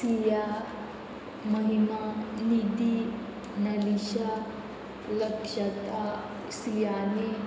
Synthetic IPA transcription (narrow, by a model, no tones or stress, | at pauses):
sija | mɐɦimanid̪i | nɐliʃa | lɐkʃɐt̪a | sijaːni